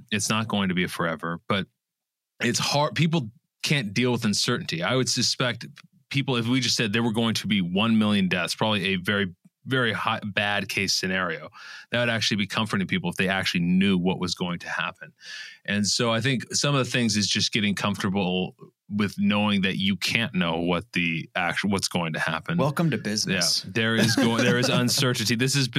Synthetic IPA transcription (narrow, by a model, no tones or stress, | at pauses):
ɨtsnət̚ɡ̥oʊɪ̃ŋtʰɨbiɨfə˞ɛvə˞b̥ʌɾ̚ | ɨtshɑɹd̚pʰip̬l̩ˠ | kʰæ̃nd̥ilˠwəðɨ̃nsɜ˞ʔn̩tʰiaɪwɨd̥sɨspɛk̚t̚ | pʰipl̩ˠɨfwid͡ʒʌstsɛd̪̚ðeɪwə˞ɡoʊɪ̃ŋtʰɨbiwʌ̃nmɪlˠjɨ̃ndɛθθspʰɹ̥ɑbəbliɨvɛɹivɛɹihaɪbæd̚kʰeɪsɨnɛɹioʊðɨt̚wɨɾæk̚t͡ʃʉl̩ˠibikʰʌ̃ɱfə˞ɾɪ̃ŋpʰipl̩ˠəfðeɪæk̚t͡ʃʉl̩ˠinjʉwʌʔwʔʌzɡoʊɪ̃ŋtʰɨhæ̰pɨ̃nʔɨ̃nsoʊaɪθɪ̃ŋksʌ̃mʌvðɨθɪ̃ŋzɨzd͡ʒʌsɡ̥ɛɾɪ̃ŋkʰʌ̃ɱftə˞bl̩ˠ | wɪðnoʊɪ̃ŋðɨt͡ʃɨkʰæ̃nːoʊwʌt̪̚ðiækwʌtsɡ̥oʊɪ̃ŋtʰɨhæ̰pɨ̃nwɛlˠkə̃mtɨbɪznjɨæðə˞ɪzɡoðə˞ɨzə̃nsɜ˞ʔn̩tiðɪsɨz